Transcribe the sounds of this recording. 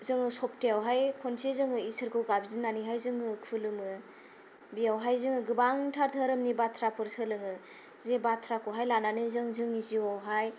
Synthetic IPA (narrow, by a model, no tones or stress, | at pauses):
zɯŋɯsɔp̚teawɦajkʰonsezɯŋɯisɯɾkʰɯwɡabzinaniɦajzɯŋɯkʰɯlɯmɯ | bijawɦajzɯŋɯɡɯbaŋtʰaɾtʰɯɾɯmnibatʰɾapʰɯɾsɯlɯŋɯ | zebatʰɾakʰoɦajlananɯzɯŋzɯŋiziwawɦaj